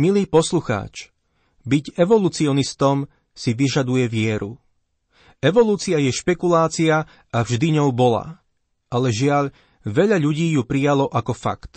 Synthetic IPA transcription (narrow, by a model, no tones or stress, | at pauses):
miliːpɔsluxa̰ːt͡ʃ | biɟɛʋɔluːt͡siɔnist̪ɔm | siʋiʒad̪ujɛʋɪɛɾu | ɛʋɔluːt͡siajɛʃpɛkulaːt͡sia | avʒd̪iɲɔʊbɔla̰ | ʔalɛʒɪaʎ | ʋɛʎaʎuɟiːjupɾijalɔʔakɔfa̰kt̪